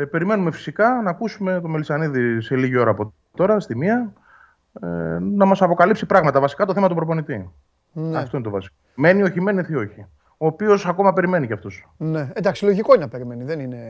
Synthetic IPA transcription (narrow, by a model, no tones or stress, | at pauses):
pe̞ɾime̞nume̞fi̥sikɐnɐːkusume̞t̪o̞me̞lisɐniðise̞liʝio̞ɾɐːpo̞ | t̪o̞ɾɐst̪imiɐ | nɐmɐsɐpo̞kɐlipsipɾɐɣmɐt̪ɐvɐsi̥kɐt̪oθe̞mɐt̪upɾopo̞nit̪i | nɐft̪o̞inet̪ovɐsi̥kome̞nio̞çime̞niθio̞çi | oːpio̞sɐko̞mɐpe̞ɾime̞niceɐft̪os | neend̪ɐksiloʝikoininɐpeɾimeniðenine